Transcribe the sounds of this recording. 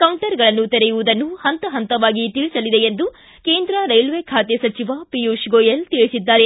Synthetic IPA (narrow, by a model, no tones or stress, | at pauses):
kɐwɳʈɐɾɡɐɭɐnːut̪ɛɾejuʋud̪ɐnːuhɐnt̪ɐɦɐnt̪ɐʋaːɡit̪iɭisɐlid̪e̞end̪u | ke̞ːnd̪ɾɐɾɐjlʋeːkʰaːt̪esɐt͡ʃiʋapijuʂɡoːjelt̪iɭisid̪ːaːɾe̞